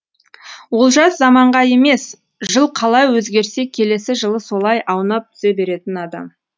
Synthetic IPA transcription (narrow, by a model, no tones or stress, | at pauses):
wo̞lˠʒɑszɑmɑɴʁɑje̞me̞s | ʒəlˠqʰɑlˠɑjwɵzɡʲe̞ɾse̞kʲʰe̞le̞sɪʒəlˠəso̞lˠɑjʔɑwnɑp̚t̪ʰʏ̥ze̞be̞ɾe̞t̪ɪnɑd̪ɑ̰m